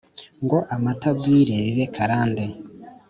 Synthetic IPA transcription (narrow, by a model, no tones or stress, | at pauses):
ŋɡo̞ʔamatabɡiːɾeβiβekʰaɾaːnde